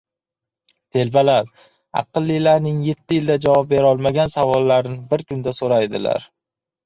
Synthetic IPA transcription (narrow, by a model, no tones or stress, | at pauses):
t̪ʰe̞lbalaɾ | ɑ̰qɨlˠːijlaɾnɪŋje̞t̪ʰːɪjɪld̪ad͡ʒavɒp̚be̞ɾɒlˠmaɡʲansavɒlˠːaɾnɪbɪɾkʰʊnd̪asoɾajd̪ɪ̰la̰ɾ